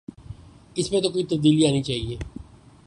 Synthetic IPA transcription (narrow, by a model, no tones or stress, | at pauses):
ɪspẽːt̪oːkoːit̪əb̚d̪iːliaːniːt͡ʃaːɦieː